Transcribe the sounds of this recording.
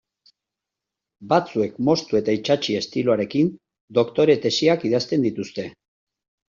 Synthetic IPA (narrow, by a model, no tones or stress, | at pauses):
bat͡sue̞kmo̞st̪ue̞t̪ait͡ʃat͡ʃie̞st̪iloaɾe̞kin | d̪o̞kt̪o̞ɾe̞t̪e̞siakiðast̪e̞nd̪it̪ust̪e̞